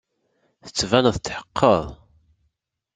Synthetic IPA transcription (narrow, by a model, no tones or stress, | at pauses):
θə̥t͡sːvænðət͡s̪ːħə̥qʰːəðˤ